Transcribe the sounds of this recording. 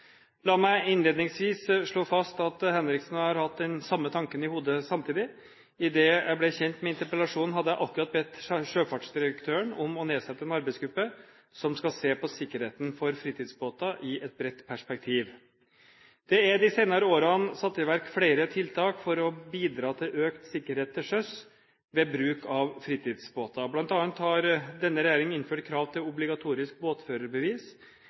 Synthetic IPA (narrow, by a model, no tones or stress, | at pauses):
lɑːmæɪɪnleːd̪nɪŋsʋiːsʂɭoːfɑst̪ɑt̪hɛnɾɪksn̩hɑɾhɑt̪̚d̪ɛnsɑmːət̪ʰɑŋkənɪhuːd̪əsɑmt̪ʰiːd̪ɪ | ɪd̪ɛːjæɪblɛçɛnt̪mɛɪnt̪əɾpəlɑʂuːnn̩ɦɑd̪əjæɪʔɑkːʉɾɑt̪̚bɛt̪ːʂøːfɑʈʂd̪ɪɾəkt̪ʰøːəɳɔmɔneːsɛt̪ːəɛnɑɾbæɪsɡɾʉpːə | sɔmskɑseːpɔsɪkːəɾheːt̪n̩fɔɾfɾiːt̪ɪːd̪sboːt̪ɑʔɪʔɛt̪̚bɾɛt̪ːpʰæʂpɛk̚t̪ʰiːʋ | d̪̥ɛæd̪ɪseɪnɑɾəoːɾɑnsɑt̪ːɪʋæɾkfɽeɪɾət̪ʰɪlt̪ʰɑːkfɔɾɔbiːd̪ɾɑːt̪ʰɪlʔøːkt̪sɪkːəɾheːt̪ʰːɪʂœs | ʋɛbɾʉːkɑʋfɾiːt̪ʰɪːd̪sboːt̪ɑblɑnt̪ɑːnt̪hɑɾd̪ɛnːəɾɛjæːɾɪŋɪnføːʈkʰɾɑːʋt̪ʰɪlʊblɪɡɑt̪ʰuːɾɪsk̚boːt̪føːɾəɾbəʋiːs